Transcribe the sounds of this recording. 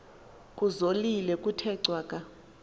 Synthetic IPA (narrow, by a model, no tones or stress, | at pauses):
kʼuzolilɛkʼutʰɛǀwaːkʼa